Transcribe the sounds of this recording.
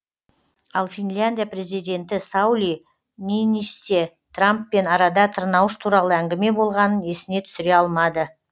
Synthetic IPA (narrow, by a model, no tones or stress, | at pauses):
ɑlˠfʲinlʲand̪ijapre̞zijd̪e̞nt̪ɪsawlʲi | ninist̪e | t̪ʰrampːe̞nɑɾɑd̪ɑt̪ʰəɾnɑwəʃt̪ʰuɾɑlˠəæŋɡʲɪme̞bo̞lˠʁɑnəne̞sɪne̞t̪ʰʏ̥sɪɾe̞ɑlˠmɑd̪ə